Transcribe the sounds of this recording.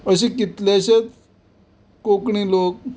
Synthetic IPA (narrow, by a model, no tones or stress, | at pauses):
əɕekit̪leɕet͡s | kokɳilok̚